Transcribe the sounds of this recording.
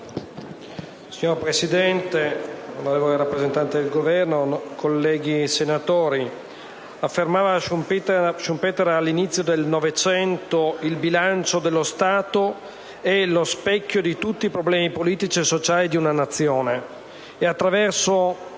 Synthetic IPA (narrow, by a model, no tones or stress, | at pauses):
siɲorpɾesid̪ɛnt̪eulaleːvoleɾapːɾezent̪ant̪ed̪elɡovɛrnokʰolːɛːɡisenat̪oːɾi | afːermaːva | ʃumpɛːt̪eɾalːinit̪sːjod̪elnovet͡ʃɛnt̪oilbilant͡ʃod̪elːost̪aːt̪o | elospɛkʲːjod̪it̪ut̪ːiːpɾoblɛːmipoliːt̪it͡ʃiesːot͡ʃaːlid̪iunanat̪sːjoːneː | at̪ːɾavɛrso